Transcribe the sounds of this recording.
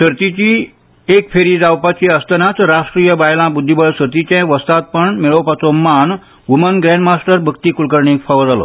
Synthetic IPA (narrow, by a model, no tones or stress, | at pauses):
səɾt̪it͡ɕi | ek̚pʰeɾid͡zawpat͡ɕiəst̪ənat͡sɾaʂʈɾijəbajlãbud̪ʱːibəɭsəɾt̪it͡ɕẽʋəst̪at̪̚pəɳmeɭəwpat͡soman | ʋumənɡɾenɖmasʈəɾbʱəkt̪ikulkəɾɳekfʰaʋəd͡zalo̰